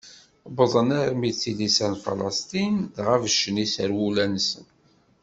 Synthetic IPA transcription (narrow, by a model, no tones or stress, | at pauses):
bəðˤənæɾmit͡sːilisænfɑ̰lɑ̰st̪inðʁævəʃːənisəɾwulænsə̰n